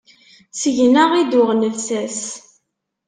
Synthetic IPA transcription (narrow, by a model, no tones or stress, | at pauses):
səʝnəʁid̪ʊʁnəlsæs